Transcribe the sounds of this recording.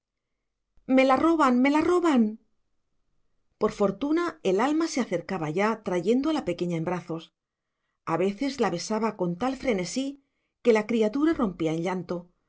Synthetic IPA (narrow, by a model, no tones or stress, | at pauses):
me̞laro̞βanme̞laro̞βan | po̞ɾfo̞ɾt̪unae̞lalmase̞aθe̞ɾkaβaʝat̪ɾaʝe̞nd̪oalape̞ke̞ɲaembɾaθo̞s | aβe̞θe̞zlaβe̞saβako̞nt̪alfɾe̞ne̞si | ke̞lakɾiat̪uɾaro̞mpiaeɲʎant̪o̞